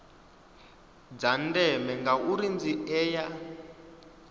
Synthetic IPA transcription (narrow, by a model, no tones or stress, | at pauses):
d͡zandɛmɛŋɡauɾind͡ziʔɛːja